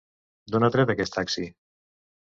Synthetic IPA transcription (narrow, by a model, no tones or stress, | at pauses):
d̪onat̪ɾed̪akɛst̪aksi